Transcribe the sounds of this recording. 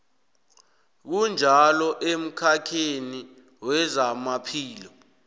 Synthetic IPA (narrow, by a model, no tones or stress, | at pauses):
k̬und͡ʒʱalɔʔem̩kʰakʰeni | wɛzamapʰiːlɔ